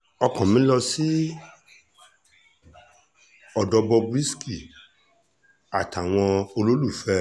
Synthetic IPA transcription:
ɔ˧kɔ̃˨mĩ˨˦lɔ˧si˦ | ɔ˨dɔ˧bɔ˧bwi˦ski˨ | a˨ta˨w̃ɔ̃˧o˧lo˦lu˦˨fɛ˦

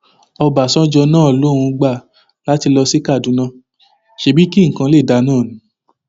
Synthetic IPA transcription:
ɔ˧ba˨sɔ̃˦d͡ʒɔ˧nãː˦˨lo˦ɾ̃ũ˧ɡ͡ba˦˨ | la˨˦ti˧lɔ˧si˦ka˦˨dũ˨˦nã˧ | ʃe˧˦bi˦ki˦ŋ̩˨kã˧le˦˨da˧˦nãː˦˨nũ˨˦

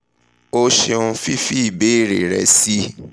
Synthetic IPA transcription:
o˦ʃe˧ũ˧fi˦fi˦i˦˨be˨˦i˦˨ɾe˨ɾɛ̰˧si˦

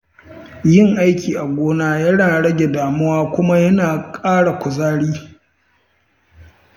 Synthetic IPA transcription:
jɪ˦ŋʔa˦jkʲiː˨ʔa˨ɡʷoː˦naː˦jɐ˦naː˨ɽɐ˦ɡʲe˨daː˨mʊ˦waː˦kʷʊ˦ma˦jɐ˦naː˨kʼaː˦ɽa˨kʷʊ˨zaː˦ɽiː˦

